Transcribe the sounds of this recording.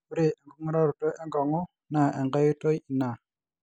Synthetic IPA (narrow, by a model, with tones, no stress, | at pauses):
u˦ɾe˨ɛ˨ŋɡu˦ŋ˦ɾa˦ɾu˨to˦ʔɛ˦ŋɡɔ˨ŋɔ˦ | na˨ʔɛ˨ŋɡa˦ju˦to˦ji˨na˨